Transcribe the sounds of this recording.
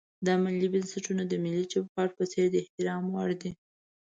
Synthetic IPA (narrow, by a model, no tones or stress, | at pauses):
d̪ɑmɪlibənsɪʈunod̪əmɪlːid͡ʒobkɑɾ̚pəseɾd̪əɪht̪ɪɾɑmwɑɽd̪i